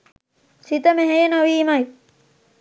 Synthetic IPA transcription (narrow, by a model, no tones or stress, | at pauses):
sit̪əmeɦejenoʋiːmaj